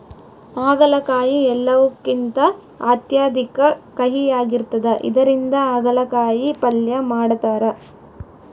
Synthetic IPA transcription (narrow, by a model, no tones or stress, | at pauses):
aːɡɐlɐkaːjiɛlːɐʋukːint̪ɐ | aːt̪jaːd̪ʱikɐkɐɦijaːɡiɾt̪ɐd̪ɐʔḭd̪ɐɾind̪ɐaːɡɐlɐkaːjipɐljɐmaːɽt̪aːɾɐ